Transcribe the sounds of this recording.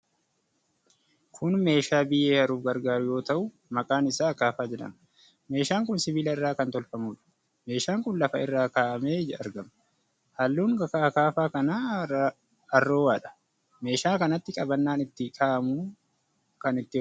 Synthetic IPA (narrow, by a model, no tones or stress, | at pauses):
kʰʊnme̞ːʃaːbɪjʔeːhɐɾuːfɡɐɾɡaːɾʊjo̞ːt̪ɐʔʊ | mɐkʼaːnɪsaːkːaːfaːd͡ʒɛᶑɐ̰m | me̞ːʃaːŋkʊnsɪbiːlɐɪrːaːkɐnt̪ɔlfɐmuːᶑɐ̥ | me̞ːʃaːŋkʊnlɐfɐɪrːaːkaːʔɐmeːd͡ʒɐɾɡɐm | hɐlːuːŋkɐkakaːfaːkɐnaː | ɐrːoːwaːᶑɐ̥ | me̞ːʃaːkɐnɐt̪ːɪkʼɐbɐnːaːnɪt̪ːɪkʰʼaːʔɐmuː | kɐnɪt̪ːɪ